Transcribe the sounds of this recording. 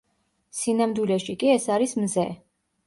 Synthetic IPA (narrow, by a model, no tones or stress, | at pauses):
sinamd̪wilɛʃikʼiɛsaɾismzɛ